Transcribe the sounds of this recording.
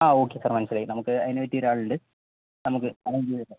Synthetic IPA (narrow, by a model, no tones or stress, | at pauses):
aːoːkːesaːrmɐnɐsɐleːnɐmɐkːɯɐðɪneʋeʈːiɾaːɭɯɳɖɨ | nɐmɐkːɯɐnɐŋɡijɐðɯnːɐ